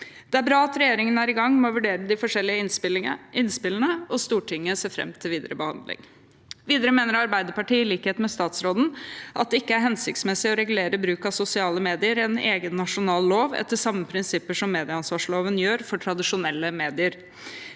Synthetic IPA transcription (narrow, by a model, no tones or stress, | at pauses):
d̪̥ɛæɾbɾɑːɑt̪ɾɛjeːɾɪŋənæːɾɪɡɑŋːmɔʋʉɖeːɾəd̪ɪfɔʂɛlːɪə | ɪnspɪləɳəɔst̪uːʈʰɪŋːəseːfɾɛ̰mt̪ʰɪlʋiːd̪əɾʔəbəhɑ̰nd̪lɪ̰ŋ | ʋiːd̪əɾəmeːnəɾɑɾbæɪd̪əpɑʈiːɪliːkheːt̪n̩mɛst̪ɑːt̪sɾoːd̪n̩ʔɑ̰t̪̚d̪ɛɪkːəæɾɦɛnsɪk̚t̪smɛsɪɔɾɛɡʉleːɾəbɾʉːkɑsʊsɪɑːləmeːd̪ɪəɾɛneːɡənːɑʂʊnɑːlːoːʋɛ̰t̪ʰːəʂɑmːəpʰɾɪnsɪpːəʂɔmːeːd̪ɪəɑnsʋɑːʂloːʋənjøːɾfɔʈʰɾɑd̪ɪʂʊnɛlːəmeːd̪ɪəɾ